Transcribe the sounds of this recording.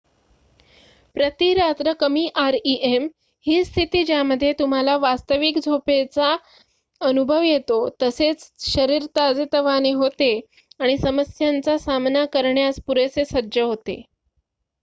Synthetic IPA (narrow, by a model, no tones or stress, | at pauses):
pɾət̪iɾat̪ɾəkəmiːʔaɾiʔem | hiːst̪ʰit̪iːd͡ʑjaməd̪ʱːjet̪um̤alaʋast̪əʋikd͡zʱopet͡sa | ənubʱəʋjet̪ot̪əset͡sɕəɾiɾt̪ad͡zet̪əʋaneɦot̪e | aɽ̃isəməsjant͡sasamnakəɾɳjaspuɾet͡sesədd͡ʑəɦot̪ḛ